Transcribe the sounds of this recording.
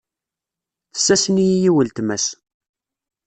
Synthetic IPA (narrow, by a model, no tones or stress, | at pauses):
θə̥sːæsənijijiwəlt̪mæs